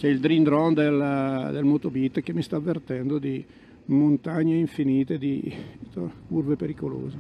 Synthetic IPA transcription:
t͡ʃɛild̪ɾind̪ɾɔnd̪eld̪elmot̪obit̪ːk̟emːist̪aːvːert̪ɛnd̪od̪i | mont̪aɲːeiɱfiniːt̪ed̪it̪ourvepeɾikolo̰ːze

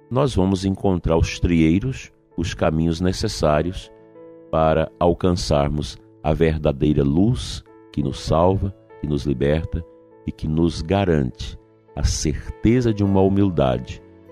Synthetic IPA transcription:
nɔzvɐ̃mʊzẽŋkõnt̪ɾaɾʊst̪ɾiejɾʊs | ʊskamĩɲʊznesesaɾiʊs | paɾɐawkɐ̃saɾmʊz | ɐ̰veɾd̪ad̪ejɾɐlus | kɪnʊsːawvɐkɪnʊzlibɛɾt̪ɐ | ɪkɪnʊzɡaɾɐ̰̃nt͡ʃɪ̥ | ɐ̰seɾt̪ezɐd͡ʒɪũmɐumiwd̪a̰d͡ʒɪ

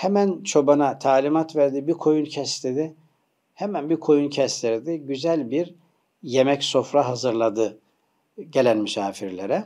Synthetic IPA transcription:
hemænt͡ʃʰo̞banat̪ʰaːlʲimat̪væɾd̪ibikʰo̞juncʰɛst̪ed̪ɪ | hemænbikʰo̞juncʰɛst̪iɾd̪iɟyzælʲbiɾ | je̞mɛcso̞fɾaɦazɯɾlˠad̪ɯ | ɟe̞lʲænmysaːfiɾlʲeɾɛ

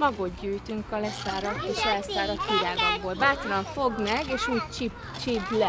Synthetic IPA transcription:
mɒɡod̪ɟyːjt̪yŋkɒlɛsaːɾɒt̪eːʃɒlɛsaːɾɒt̪kiɾaːɡoɡbolbaːt̪ɒlɒɱfo̞ɡmɛɡeːʃuːɟt͡ʃib | t͡ʃiblɛ

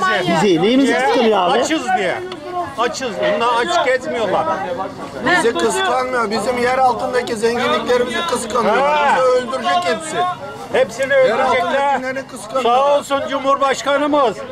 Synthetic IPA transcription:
ɛzinimizjɛkɯnjaːaɪt͡ʃʰɯzd̪ijɛ̰ | at͡ʃʰɯzond̪aat͡ʃʰɯ̥kɛt̪mijo̞lˠaɾ | bizɛkʰɯsk̪ˠanmɯjobizimjæɾalˠt̪ʰɯnd̪acizɛɲɟinlʲicʲlʲe̞ɾimizɛkʰɯskanjid̪aølʲd̪yɾyd͡ʒɛcilsɪn | hɛpsinɛølɾyd͡ʒeɛnkʰɯsksaɦo̞lˠsund͡ʒumhuɾbaʃkanɯmɯz

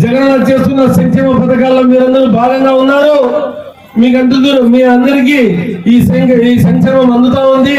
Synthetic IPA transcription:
d͡ʒɛɡɐnloːt͡ʃe̞ːst̪unːɐsɐŋkɛːmɐpɐd̪ɐkaːlːoːmiːɾɐnd̪ɐɾuːbʱaːɡɐŋɡaːunːaːɾu | miːk̬ɐɳʈund̪uɾumiːɾɐnd̪ɐɾik̬iːiːsɐiːsɐŋkʂɛːmɐmɐnd̪ut̪aːund̪i

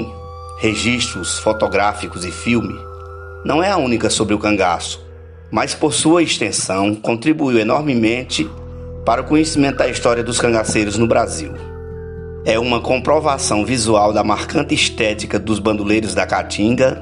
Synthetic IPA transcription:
heʒiʃt̪ɾʊsfot̪oɡɾafikʊzɪfiwmɪ | nɐ̃w̃ɛaũnikɐsobɾɪʊkɐ̃ɡasʊ̥ | maspoɾsuɐest̪ẽsɐ̃w̃kõnt̪ɾibuiwenɔɾmɪmẽnt͡ʃɪ | paɾɐʊkõɲesimẽnt̪ʊd̪ɐist̪ɔɾiɐd̪ʊskɐ̃ŋɡasejɾʊznʊbɾazḭw | ɛũmɐkõpɾovasɐ̃w̃vizuawd̪ɐmaɾkɐ̃nt̪ɪiʃt̪ɛtikɐd̪ʊzbɐ̃nd̪ulejɾʊzd̪ɐkat͡ʃĩɡɐ

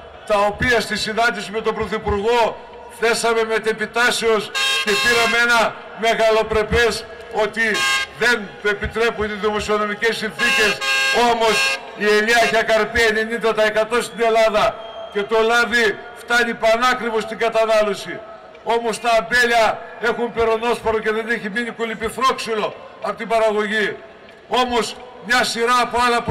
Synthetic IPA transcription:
t̪ɐo̞piɐst̪isinɐnd̪isime̞t̪o̞bɾo̞θipuɾɣo̞ | θe̞sɐme̞met̪epit̪ɐseo̞sce̞piɾɐmeenɐ | meɣɐlo̞pɾe̞pe̞s | o̞t̪iðe̞nt̪oe̞pit̪ɾe̞puniðimo̞sio̞no̞mice̞sːinθice̞so̞mo̞s | ieliɐeçɐkɐɾpiene̞nind̪ɐt̪ɐe̞kɐt̪o̞st̪ine̞lɐðɐ | ce̞t̪o̞lɐði | ft̪ɐnipɐnɐkɾivo̞st̪iŋɡɐt̪ɐnɐlo̞si | o̞mo̞st̪ɐːmbe̞lɐe̞xumpe̞ɾono̞spoɾoce̞ðe̞neçiminikolipiθɾo̞ksulo̞ | ɐpot̪ibɐɾɐɣo̞ʝi | o̞mo̞s | mɲɐsiɾɐːpoɐlɐp

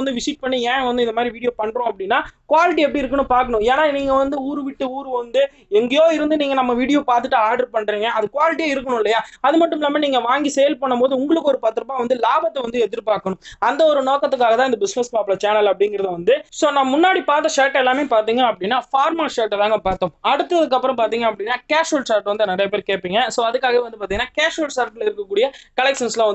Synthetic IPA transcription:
ɐnd̪ɯʋɪʂiʈ̚pɐɳːiɛ̃ːʋɐnd̪ɯɪnd̪ɐmaːd̪ɾiʋiːɽɪjoːpɐɳːɾʊ̃ːɐp̬ːɐɽɪnːaːkʊʋaːlɪʈ̬ːiɛp̬ːɐɽiɪɾɯkːɐnːɯpaːɾkɐɳʊ̃eːnaːniːŋɡɐʋɐnd̪ɯuːɾɯʋɪʈːɯuːɾɯʋɐnd̪ɯ | ɛŋɡɐjoːɪɾɯnd̪ɯniːŋɡɐnɐmːɐʋiːɽɪjoːpaːɾt̪ɯʈːɯaːɾɖɐɾpɐɳːɾiːŋɡɐʔɐðɯkʊʋaːlɪʈ̬ːijaːɪɾɯkːɐɳʊ̃ɪlːɐjaːɐðɯmɐʈːɯmlaːmɐniːŋɡɐʋaːŋɡisɛjɐlpɐɳːɐmpoːðɯʊŋɡɐɭɯkːɯɔɾɯpaːɾt̪ːɯɾɐpːaːʋɐnd̪ɯlaːbɐt̪ːɐʋɐnd̪ɯɛðɪɾɯpaːkɐɳʊ̃ɐnd̪ɐɔɾɯnoːkɐt̪ːɯkːaːɣɐt̪aːɪnd̪ɐbɪsnɛspaːpɭɐt͡ʃaːnɐlɐpːɐɽɪŋɡɪɾɐðɯʋɐnd̪ɯsoːnãːmʊnːaːɽipaːɾt̪̬ːɐʂaːʈːɛlːaːmeːpaːɾt̪iːŋɡɐɐpːɐɽɪnːaːfaːɾmaːʂaːʈːɐt̪aːŋɡɐpaːɾt̪õːɐɽɯt̪ːɐðɯkːɐpːɯɾɐ̃mpaːɾt̪̬iːŋɡɐɐpːɐɽɪnːaːkeːʂoːlsaːɾʈːʋɐnd̪ɯnɐɾɐjɐp̬eːɾkeːʈpːiːŋɡɐsoːɐðɯkːaːɣɐʋeːʋɐnd̪ɯp̬aːt̪iŋɡɐnaːkeːʂoːlsaːɾʈlɪɾɯkːɐkːuːɽɪjɐkɐlɛkʂɐnslãːʋɐnd̪

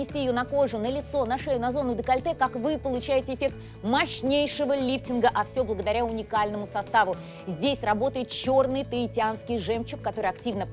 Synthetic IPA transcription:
ɪsʲtʲijɪjo̞nɐko̞ʐʊnəlʲɪt̪so̞nɐʂɛʊnɐzo̞nːʊd̪əkɐlʲt̪ɛkakvɨpəlˠʊt͡ɕæjɪtʲɪɪfʲe̞k̚t̪ | mɐɕnʲejʂɨvəlʲiftʲɪnɡəʔɐfsʲo̞blˠəɡəd̪ɐɾʲaʊnʲɪkalʲnəmʊsɐst̪avʊ | zʲdʲesʲrɐbo̞t̪əjɪt̪̚t͡ɕo̞rnɨjt̪əɪtʲɪanskʲɪjʐɛmt͡ɕːɪkːɐt̪o̞ɾɨɪjɐktʲivnə

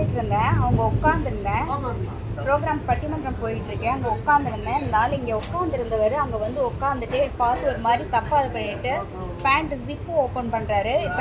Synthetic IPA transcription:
ɪʈːɪɾɯnd̪ɛ̃ːɐʋɐŋɡɐɔkːaːnd̪ɪɾɯnd̪ɛ̃ː | pɪɾoːɡɾaːmpɐʈːɪmɐnd̪ɾɐmpoːjɪʈːɪɾɯkːɛ̃ɐŋɡɐʊkːaːnd̪ɪɾɯnd̪ɛ̃ːɪnːnaːlɪŋɡeːɔkːaːnd̪ɪɾɯnd̪ɐʋɐɾɯɐɐŋɡɐʋɐnd̪ɯɔkːaːnd̪ɯʈːɯpaːɾt̪ɯɔɾɯmaːd̪ɾit̪ɐpːaːðɯpɐɳːɪʈːɯ | paːɳʈsɪpːɯoːpɐnpɐɳːɾaːɾɯɪpː

